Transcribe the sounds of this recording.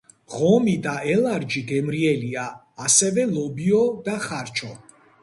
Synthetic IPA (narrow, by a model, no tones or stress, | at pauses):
ʁɔmid̪aɛlˠaɾd͡ʒiɡɛmɾiɛliaː | sɛvɛlˠɔbiɔd̪aχaɾt͡ʃʰɔ